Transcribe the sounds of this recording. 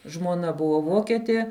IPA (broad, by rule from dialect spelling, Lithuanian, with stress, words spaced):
ʒmuɔˈnɐ ˈbʊʋoː ˈʋoːkʲɛtʲiɛ